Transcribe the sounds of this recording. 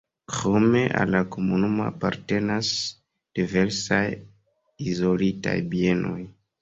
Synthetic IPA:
kɾo̞me̞ʔa̰lːako̞munumoapaɾte̞nas | d̥ive̞ɾsaj | izo̞lita̰jbie̞nʔo̞j

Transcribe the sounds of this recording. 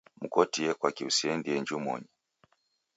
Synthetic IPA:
mukɔtiɛkwakiusiɛndiɛɲd͡ʒumɔ̰ɲɛ

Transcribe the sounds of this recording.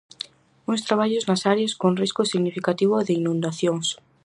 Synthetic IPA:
uŋst̪ɾaβ̞aʎʊznasaɾjaskoŋriskʊsiɣnifikat̪iβ̞ʊðɪinũnd̪aθjoŋs

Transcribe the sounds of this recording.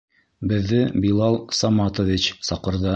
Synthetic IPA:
bɘ̆ðːɘbilˠɑlˠsɑmɑt̪ŏvʲit͡ɕsɑqɤ̆ɾðɑ

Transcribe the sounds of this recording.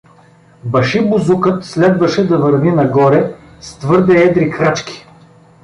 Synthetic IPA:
bɐʃibuzukɤt̪slɛd̪vɐʃɛd̪ɐvəɾvinɐɡɔɾɛ | st̪vɤɾd̪ɛɛd̪ɾikɾat͡ʃkʲi̥

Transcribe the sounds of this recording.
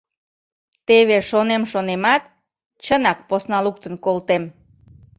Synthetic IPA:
t̪eβeʃonemʃonemɑt̪̚ | t͡ɕənɑk̚posnɑluk̚t̪ənkolt̪em

